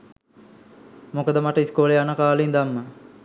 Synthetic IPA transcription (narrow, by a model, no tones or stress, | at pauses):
mokəd̪əmaʈəiskoːleanəkaːlind̪amːə